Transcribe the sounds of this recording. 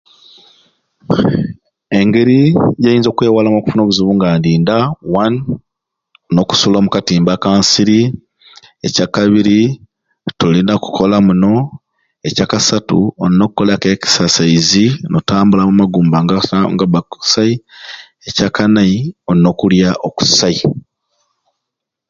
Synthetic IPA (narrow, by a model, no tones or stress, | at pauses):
e̞ŋɡe̞ɾijajiːnzo̞ːkwe̞ːwalamoku̥funo̞ːβuzuβuːŋɡaːndiːndawan | no̞ku̥sulo̞ːmukatiːmbakaːnsiɾi | e̞̰cakaβiɾi | tulinaku̥kʰolamuno̞ | ecakasatṵonno̞kukːolakeki̥sasaizinotaːmbulamumaɡuːmbaŋɡaŋɡaβaku̥sai | ecakanaionno̞kuljaʔoku̥sai